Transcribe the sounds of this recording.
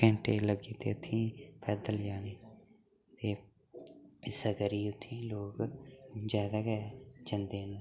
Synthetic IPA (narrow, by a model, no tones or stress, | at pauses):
kɛ̃ɳʈeːləɡiːt̪ḛːʊt̪ʰːĩːpʰɛːd̪əld͡ʒaːneː | t̪eː | ɪsəɡəɾiːʊt̪ʰːĩːloːkd͡ʒjaːd̪aːkɛːd͡ʒənd̪eːnoː